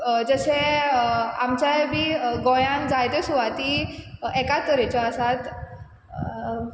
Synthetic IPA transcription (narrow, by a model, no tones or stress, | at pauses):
d͡zəɕe | amt͡ɕabʱiɡɔjãnd͡zajt̪esuʋat̪iɛkat̪əɾet͡ɕɔəsat̪